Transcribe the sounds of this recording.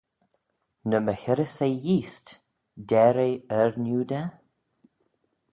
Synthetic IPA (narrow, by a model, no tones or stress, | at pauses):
nəməxɪɾəsejiːst | dɛːɾeəɹnjuːd̪ə